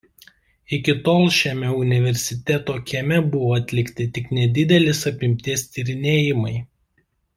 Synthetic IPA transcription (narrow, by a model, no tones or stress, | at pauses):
ɪkʲɪt̪oːlˠʃʲɛmʲɛʊnʲɪʋʲɛɾʲsʲɪt̪ʲɛt̪oːkʲɛmʲɛbʊʋoːɐt̪ʲlʲɪkt̪ʲɪt̪ʲɪknʲɛd̪ʲɪd̪ʲɛlʲɪsɐpʲɪmʲt̪ʲiːst̪ʲiɾʲɪnʲeːjɪmɐɪ